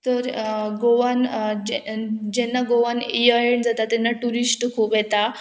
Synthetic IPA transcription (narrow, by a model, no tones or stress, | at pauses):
t̪əɾɡoʋand͡ʑd͡ʑɛnːaɡoʋanijajeɳd͡zat̪at̪ɛnːaʈuɾisʈkʰuːpɦɛt̪a